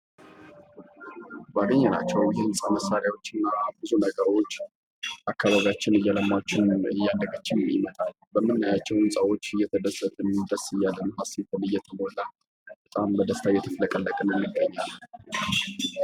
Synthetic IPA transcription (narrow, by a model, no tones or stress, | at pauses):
bəaɡəɲːɛna̰t͡ʃːɛwjɛhɨnsʼaməsaɾjawo̞t͡ʃːɨnːabɨzunəɡəɾo̞t͡ʃː | ʔakːaβaβiat͡ʃːɪnɨjːaləmːat͡ʃːɪnɨjːand̪əɡat͡ʃːɪmjɪ̰mət̪ʼal | bəmːɨnːajat͡ʃːɛwɨnsʼawo̞t͡ʃːɨjɛt̪ʰəd̪əsət̪ʰʼənɨd̪əsɨjalːənːhaset̪ʰənɨjːɛt̪ʰəmolːa | bət̪ʼambəd̪əst̪ʰajɛt̪ʰəfləkʼəlːəkʼənəmːɨɡːəɲːalː